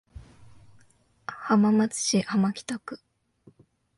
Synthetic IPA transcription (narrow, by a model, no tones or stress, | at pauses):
hamamat͡sɨ̥ɕihamakʲi̥t̪akɯ̟̥